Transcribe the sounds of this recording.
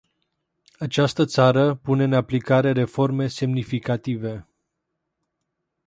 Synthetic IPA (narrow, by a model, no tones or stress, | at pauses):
at͡ʃast̪ət̪saɾəpune̞ɨnaplikaɾe̞ɾe̞fo̞rme̞se̞mnifikat̪ive̞